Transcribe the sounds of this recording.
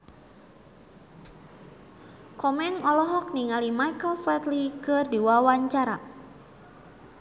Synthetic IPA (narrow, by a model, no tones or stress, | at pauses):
kɔmɛŋɔlɔɦɔk̚niŋalimajkəlfɛt̪likɨrdiwawaɲt͡ʃaɾa̰